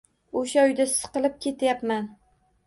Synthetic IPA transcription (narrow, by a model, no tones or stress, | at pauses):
oʃaɒjd̪asɨ̥qɨlˠɪp̚kʲʰe̞t̪ʰjapman